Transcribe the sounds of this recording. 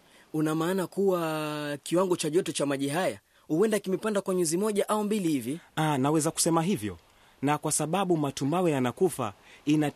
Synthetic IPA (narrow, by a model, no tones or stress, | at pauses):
unamaːnakuwakiwaŋɡɔt͡ʃaʄɔtɔt͡ʃamaʄiɦaja | huɛndakimɛpandakwaɲuzimɔʄaʔaumbilihivianawɛzaku̥sɛmaɦivjɔ̰ | nakwasaɓaɓumatumbawɛjanakufa̰ina